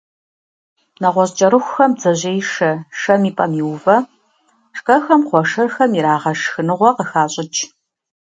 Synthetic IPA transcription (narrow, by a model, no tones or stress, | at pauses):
nɐʁʷɔɕt͡ʃʼɐɾɨxʷxɐmzɐʑejʂɐʂɐmiːpʼɐmiwvɐ | ʂkʼɐxɐmqʷɔʂɐrxɐmiɾaːʁɐʂxɨnɨʁʷɔqəxaːɕʼɪt͡ʃʰʼ